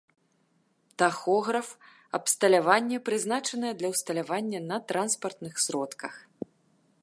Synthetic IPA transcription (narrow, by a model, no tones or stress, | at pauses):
t̪axɔɣɾɐf | ɐ̰pst̪ɐlʲavanʲːɛpɾɨznat͡ʂɐnɨjɛd̪lʲɐwst̪ɐlʲavanʲːɐnɐt̪ɾʔanspɐrt̪nɨxsʲɾɔt̪kɐx